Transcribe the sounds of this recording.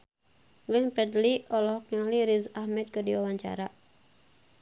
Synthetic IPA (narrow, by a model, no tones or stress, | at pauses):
ɡlɛnpɾɛdliɔlɔhkaliɾizahmɛt̪̚kərdiwawaɲt͡ʃa̰ɾa